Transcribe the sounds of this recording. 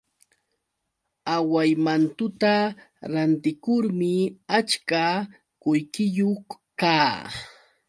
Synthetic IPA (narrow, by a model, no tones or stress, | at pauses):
awajmant̪ʊt̪a | ɾant̪ɪkʊɾmɪat͡ʃka | kʊjkɪjoχ | kaː